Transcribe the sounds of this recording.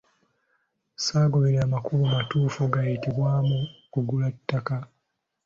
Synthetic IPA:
saːɡoβeɾeamakuβumatuːfuɡajitiβwaːmukuɡulatːaka

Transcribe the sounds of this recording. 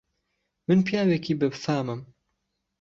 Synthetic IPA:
mɨnpijaːwɛkiːbɨbfaːmɨm

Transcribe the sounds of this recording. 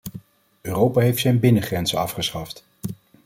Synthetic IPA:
øːrowpaːɦejftsɛjnbɪnəχrɛnzəɑfχəsχɑft

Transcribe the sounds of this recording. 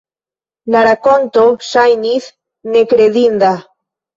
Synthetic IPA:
laɾakont̪osajniθ | nekɾeðind̪a

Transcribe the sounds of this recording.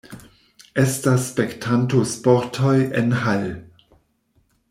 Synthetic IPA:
ʔestasːpektʰantospɔɾtʰojenhal

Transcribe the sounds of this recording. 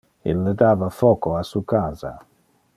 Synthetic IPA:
ḛlːed̪aːvafɔːkoasukaːza̰

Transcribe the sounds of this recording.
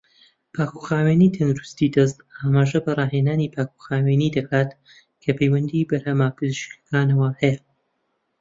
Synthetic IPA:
pʰaːkʰuxaːwenit̪ʰɐnd̪ɨɾust̪id̪ɐst̪aːmaːʒɐbɐrˤɑːɦeːnaːnipʰaːkʰuxaːwenid̪ɐkʰaːt̪ | kʰɐpʰejwɐnd̪ibɐɾhɐmaːpʰɨzɨʃkɐ̥kʰaːnɐwahɛjɐ

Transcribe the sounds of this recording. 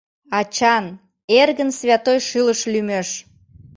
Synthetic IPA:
ɑt͡ɕɑn | erɣənsβʲɑt̪ojʃɨləʃlymeʃ

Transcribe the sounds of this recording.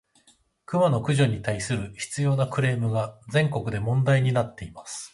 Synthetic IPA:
kɯ̟mano̞kɯ̟ʑo̞ɲ̟it̪aisɨɾɯ̟çi̥t͡sɨjo̞ːnakɯ̟ɾe̞ːmɯ̟ɡad͡zẽ̞ŋko̞kɯ̟d̪e̞mõ̞nd̪aiɲ̟inat̪ːe̞imasɨ̥

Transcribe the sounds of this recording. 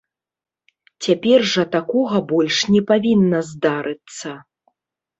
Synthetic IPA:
t͡sʲapʲɛrʐɐt̪akɔɣɐbɔlʲʂnʲɛpavʲinːɐzd̪aɾɨt̪sɐ

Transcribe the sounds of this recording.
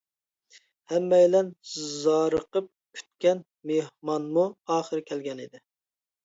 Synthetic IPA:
hɛmːɛjlɛnzɑːɾəqəp̚kʲʰy̥t̪̚kʲɛn | mehmɑnmuɑːχəɾɨkʲʰɛlɡʲɛnid̪ɪ

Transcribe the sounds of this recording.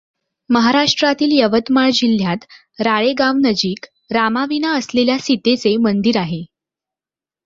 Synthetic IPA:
məɦaɾaʂʈɾat̪iːljəʋət̪maɭd͡ʑil̤jat̪ | ɾaɭeɡaʋnəd͡ʑiːk | ɾamaʋinaəsleljasit̪et͡semənd̪iɾaɦe

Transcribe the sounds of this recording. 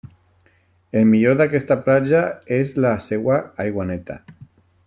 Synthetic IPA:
elmiʎoðakest̪aplad͡ʒaezlasewaajɣwanet̪a̰

